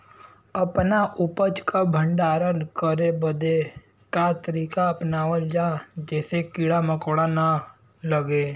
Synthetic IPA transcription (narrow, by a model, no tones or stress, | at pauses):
əpnaʔʊpət͡ʃkabʱə̃ɳɖaːɾənkəɾebəd̪e | kat̪əɾiːkaɐpnaːʋəld͡ʒaːd͡ʒɛːsekiɽaməkoɽana | ləɡeː